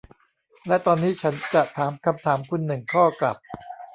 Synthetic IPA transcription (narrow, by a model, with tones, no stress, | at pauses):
lɛ˦˥t̪ɔː˧nːiː˦˥t͡ɕʰa˦˥nt͡ɕa˨˩ʔt̪ʰaː˩˦mkʰa˧mt̪ʰaː˩˦mkʰu˧nːɯ˨˩ŋkʰɔː˥˩kla̰˨˩p̚